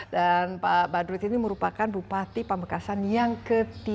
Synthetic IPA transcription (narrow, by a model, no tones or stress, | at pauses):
danpabadɾuit̪iniməɾupakanbupat̪ipəmbəkasanjaŋkət̪i